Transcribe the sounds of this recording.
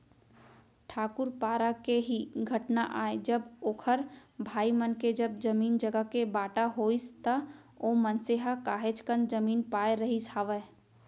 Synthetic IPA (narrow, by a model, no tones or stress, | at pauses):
ʈʰaːkʊɾpaːɾakeɦiɡʱəʈnaʔaːed͡ʒəboːkʰəɾbʱaːimənked͡ʒəb̚d͡ʒəmiːnd͡ʒəɡəkebaːʈaɦoːist̪ə | oːmənseɦakaːɦet͡ʃkənd͡ʒəmiːnpaːeɾɐɦisaːʋə